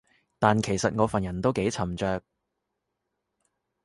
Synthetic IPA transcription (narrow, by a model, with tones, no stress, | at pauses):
t̪aː˨nkʰe˨˩jsɐ˨t̚ŋɔː˨˧fɐ˨njɐ˨˩nt̪o˥wke˨˥jt͡sʰɐ˨˩mt͡ʃœː˨˧k̚